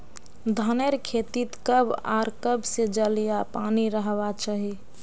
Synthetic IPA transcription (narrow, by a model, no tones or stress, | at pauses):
d̪ʱəneɾkʰet̪it̪kəba̰ɾkəbsed͡ʒəlijapaniɾəɦbat͡ʃaɦi